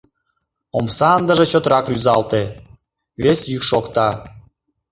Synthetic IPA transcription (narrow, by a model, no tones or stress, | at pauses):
omsɑənd̪əʒĕt͡ɕot̪ɾɑkryzɑlt̪e | βesjykʃokt̪ɑ